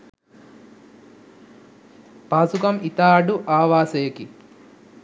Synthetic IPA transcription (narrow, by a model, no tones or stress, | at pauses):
paːsukɐmit̪aːɖuʔaːʋaːsejeki